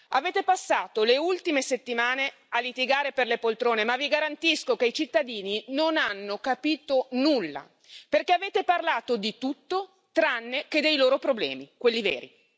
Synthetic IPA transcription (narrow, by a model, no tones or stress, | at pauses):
aveːt̪epasːaːt̪oleult̪imeset̪ːimaːne | alːit̪iɡaːɾeperlepolt̪ɾoːnemavːiɡaɾant̪iskokeit͡ʃit̪ːad̪iːninonanːokapiːt̪onulːa̰ | perkeaveːt̪eparlaːt̪od̪it̪ut̪ːo | t̪ɾanːeked̪ejloːɾopɾoblɛ̰ːmikwelːivḛːɾi